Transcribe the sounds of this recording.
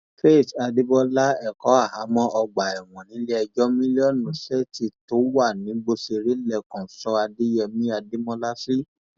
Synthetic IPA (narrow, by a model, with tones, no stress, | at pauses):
fe˦˨ta˧de˦bɔ˧la˦ɛ˨kɔ˨˦a˦˨ha˨˦mɔ̃˦ʔɔ˧ɡ͡ba˨ɛ˨w̃ɔ̃˨nĩ˨˦le˦ɛ˧d͡ʒɔ˦mĩ˦li˦ɔ˦˨nũ˨sɛ˦ti˨to˨˦wa˦˨nĩ˨˦ɡ͡bo˧se˧ɾe˦lɛ˦˨kɔ̃˨sɔ˧˦a˧de˦jɛ˧mĩ˦a˧di˦mɔ̃˦la˦si˦